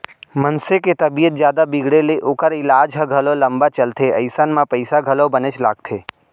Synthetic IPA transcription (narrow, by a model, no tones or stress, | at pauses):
mənseket̪ɐbijət̪̚d͡ʒjaːd̪abɪɡɽeleʔoːkəɾɪlaːd͡ʒɦəɡʱɐloləmbat͡ʃəlt̪ʰeɐɪsanmãpəɪsaɡʱɐlobənet͡ʃla̰ːɡ̚t̪ʰeː